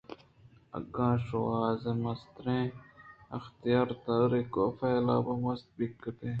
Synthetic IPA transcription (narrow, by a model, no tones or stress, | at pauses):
ɐ̰ɡãːʃoːaːzemɐst̪ɾẽːɐ̰xt̪ijaːɾt̪aɾekoːfɐɪla̰ːwɐmɐst̪̚bikːət̪ẽː